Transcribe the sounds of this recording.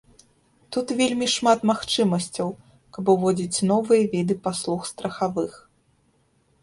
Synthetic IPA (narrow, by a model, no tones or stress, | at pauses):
t̪ut̪vʲelʲmʲiʂmat̪maxt͡ʂɨmɐsʲt͡sʲɐw | kɐbɨvɔd͡zʲit͡sʲnɔvɨjɐvʲid̪ɨpaslˠuxst̪ɾɐxavɨx